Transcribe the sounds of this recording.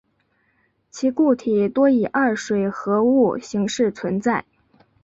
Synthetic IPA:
t͡ɕʰi˧˥ku˥˩t̪ʰi˨˩t̪wɔ˥i˨˩ʔɐ˥˩ʂwe˨˩ɪxɤ˧˥u˥˩ɕi˧˥ŋʂɻ̩˥˩t͡sʰwə˧˥nt͡sa˥˩ɪ

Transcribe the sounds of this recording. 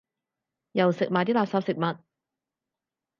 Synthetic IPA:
jɐ˨˩wsɪ˨k̚maː˨jt̪iː˥laː˨˧psaː˨˧psɪ˨k̚mɐ˨t̚

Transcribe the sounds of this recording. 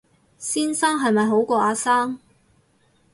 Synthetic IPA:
siː˥nsaː˥ŋɦɐ˨jmɐ˨jɦo˨˥wkɔː˧ʔaː˨˧saː˥ŋ

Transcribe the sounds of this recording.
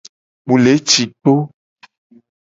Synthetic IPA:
mũ˨le˨˦t͡ʃi˨k͡po˦

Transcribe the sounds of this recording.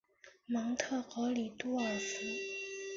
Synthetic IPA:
mɑ˧˥ŋt̪ʰɤ˥˩xɤ˧˥li˨˩t̪u˥ə˨˩sɹ̩˥

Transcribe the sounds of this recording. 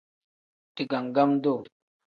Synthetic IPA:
t̪i˨ɡa˨ŋɡa˦md̪o˦˨

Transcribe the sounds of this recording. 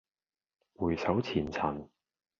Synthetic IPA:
wuː˨˩jsɐ˨˥wt͡sʰiː˨˩nt͡sʰɐ˨˩n

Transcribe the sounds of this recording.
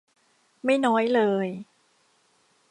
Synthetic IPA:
ma˥˩jnɔː˦˥jlɤː˧j

